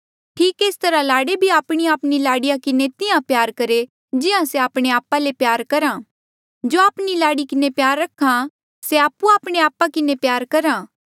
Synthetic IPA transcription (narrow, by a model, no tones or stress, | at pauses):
ʈʰiːkeːst̪ɐɾalaːɽebʱiaːpɽ̃iaːpnilaːɽɪjãkɪnet̪ɪãpjaːɾkɐɾe | d͡ʒɪãseaːpɽ̃eaːpalepjaːɾkɐɾãː | d͡ʒoːaːpnilaːɽikɪnepjaːɾːɐkʰã | seaːpːuaːpɽ̃eaːpakɪnepjaːɾkɐɾãː